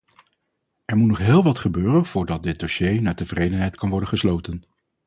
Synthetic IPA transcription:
ɛɹmutnɔχɦɪːlˠʋɑtχəbøːrənv̥ʊːɹdɑt̚dɪt̚doʃejnaːtəvrejdənɦɛjtkɑnʋɔɹdənχəslowtən

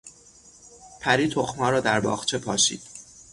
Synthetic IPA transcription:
pʰæɾiːt̪ʰoxmɒːɾɒːd̪æɾbɒ̰ːχt͡ʃʰe̞pʰɒːʃḭːd̪̥

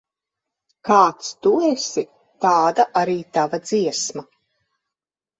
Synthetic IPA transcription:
kaːt̪st̪uɛsi | t̪aːd̪aʔaɾiːt̪avad̪z̥iɛsma

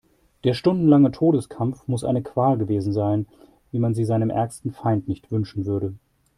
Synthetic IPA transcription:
d̥eːɐʃtʊndn̩laŋətʰoːɾəskʰamfmʊsʔa̰ɪnəkv̥aːlɡəveːzn̩zaɪn | viːmanziːzaɪnəmʔɛ̰ɐkstn̩faɪntnɪçtv̥ʏnʃn̩vʏɐɾə

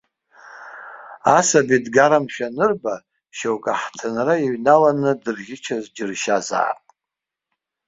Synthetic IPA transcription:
asabidɡaɾamʃᶣanɨrba | ʃowkʼaħtʰɨnraiɥnalanɨdɨrɣʲɪt͡ʃʰazd͡ʒɪrʃaza̰ːpʼ

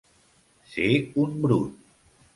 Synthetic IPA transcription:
sekunbɽṵt̪̚

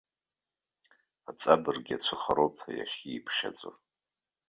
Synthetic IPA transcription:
at͡sʼabɨrɡʲat͡ɕʷʰɨχaɾopʰaja̰χʲiːpʰχʲa̰t͡sʷʼa

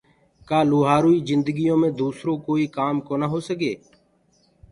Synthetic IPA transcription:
kaːluːɦaːɾuːiːzɪnd̪əɡɪjõːmẽːd̪uːsɾõːkoːiːkaːmkoːnaːɦoːsəɡeː

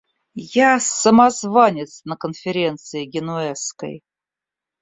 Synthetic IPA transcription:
jasəmazvanʲɪt̪snəkənfʲɪɾʲe̞nt̪sɨɪɡʲɪnuɛskə̰j

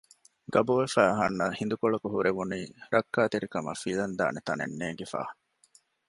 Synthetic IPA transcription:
ɡɐboːʋefæːɐɦɐnːɐhind̪ukoɭɐkuɦuɾeʋuniːɾɐkːaːt̪eɾikɐmɐ̰filɐnd̪a̰ːnet̪ɐnḛnːeːɡefa̰ːh

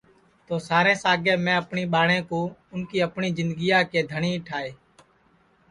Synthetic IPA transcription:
t̪oːsaːɾẽːsaːɡeːmẽːəpɳiːɓaːɽẽːkoːʊnkiːəpɳiːzɪ̃nd̪ɡijaːkeːd̪ʱəɳiːʈʰaːeː

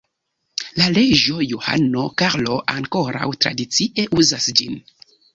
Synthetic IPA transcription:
lale̞d͡ʒo̞juha̰no̞kaɾlo̞ʔaŋko̞ɾa̰wtɾa̰dit͡siʔe̞ʔuzasd͡ʒin

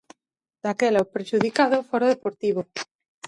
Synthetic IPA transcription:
d̪̥akelaopɾeʃuð̞ikaðofoɾoðepoɾt̪iβo

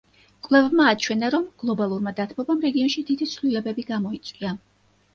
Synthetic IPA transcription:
qʼwlɛvbmaːt͡ʃʰwɛnaɾɔmɡ̥lˠɔbalˠuɾmad̪at̪ʰmɔbamɾɛɡiɔnʃid̪id̪it̪sʰlilɛbɛbiɡamɔit̪sʼwia

